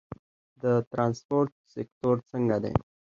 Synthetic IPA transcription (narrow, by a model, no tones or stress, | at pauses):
d̪ət̪ɾãnspoɾt̪ | sek̚t̪oɾsəŋɡad̪ḛ̃